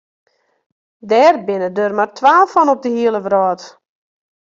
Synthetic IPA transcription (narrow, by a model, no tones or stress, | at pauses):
dɛːrbɪnədørmartʰwʋaːlˠfɔnɔp̚dəhiəlˠəʋrɔːt